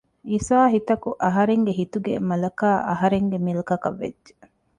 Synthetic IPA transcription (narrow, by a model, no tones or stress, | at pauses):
iːsaːɦit̪ɐkuʔɐɦɐɾeŋɡeɦit̪uɡḛmɐlɐkaːʔɐɦɐɾeŋɡemilɐkɐkɐʋːḛdːʒe̥